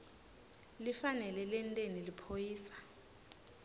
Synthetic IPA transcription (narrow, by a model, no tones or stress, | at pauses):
lifanɛlɛlɛntʼenilipʰojiːsḁ